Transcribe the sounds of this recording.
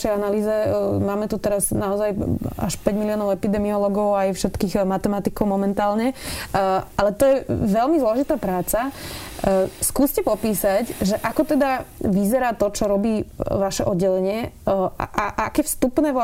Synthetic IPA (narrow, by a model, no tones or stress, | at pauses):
ʃɛjanaliːzɛmaːmɛt̪ut̪ɛɾaznaɔzaja̰ʃpɛɟmiliɔːnɔʊɛpid̪ɛmiɔlɔɡɔʊajfʃɛt̪kiːɣmat̪ɛmat̪ikɔʊmɔmɛnt̪aːlɲɛ | alɛt̪ɔjɛʋɛlmizlɔʒit̪aːpɾaːt͡sa | skuːscɛpɔpiːsacʒɛʔakɔt̪ɛd̪aʋizɛɾaːt̪ɔt͡ʃɔɾɔbiːʋaʃɛʔɔd̪ɟɛlɛɲɪɛa̰ʔaʔakɛːfst̪upnɛːʋ